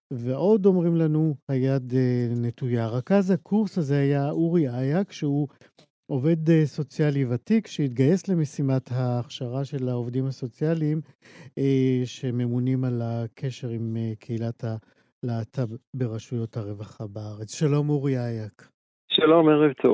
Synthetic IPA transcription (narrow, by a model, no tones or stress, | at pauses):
veʔo̞d̪o̞mʁimlanuhajad̪ene̞t̪ujaʁakazhakʰuʁshazehajauʁiajakʃeu | o̞ve̞d̪eso̞t͡sjalivatikʃeit̪ɡaje̞sle̞mesimathaːχʃaʁaʃe̞lao̞vdimhaso̞t͡sjaliːm | ʃe̞me̞munimalakʰe̞ʃe̞ʁimkʰeilatha | laːtʰabbe̞ʁaʃujo̞thaʁe̞vaχabeaʁet͡sʃalo̞muʁiajak | ʃalomeʁevt̪ʰo